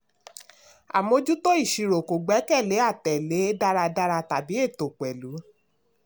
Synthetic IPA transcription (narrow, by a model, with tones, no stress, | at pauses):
a̰˨mõ˧d͡ʒu˦to˦i˦˨ʃi˨ɾo˨ko˨ɡ͡bɛ˨˦kɛ˦˨le˨˦a˦˨tɛ˨le˨˦da˦ɾa˧da˦ɾa˧ta˨bi˨˦e˦˨to˨k͡pɛ˨lu˨˦